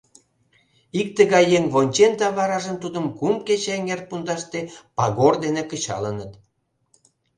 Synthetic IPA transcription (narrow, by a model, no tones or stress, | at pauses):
ik̚t̪əɣɑjːeŋβonʲt͡ɕend̪ɑβɑɾɑʒənt̪ud̪əmkumket͡ɕeŋert̪̚pund̪ɑʃt̪epɑɣord̪enekə̆t͡ɕɑ̰lənət̪